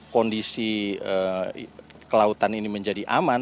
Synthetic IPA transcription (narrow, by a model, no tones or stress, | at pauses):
kɔndisiə | kəlaut̪aniniməɲd͡ʒadiʔa̰man